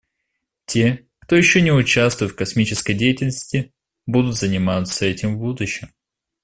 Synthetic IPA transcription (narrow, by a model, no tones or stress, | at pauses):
tʲe̞ | kt̪o̞jɪɕːonʲɪʊt͡ɕast̪vʊjt̪fkɐsmʲit͡ɕɪskəjdʲejɪtʲɪlʲnəsʲtʲɪ | bud̪ʊt̪zənʲɪmat̪səɛtʲɪmvbud̪ʊɕːɪm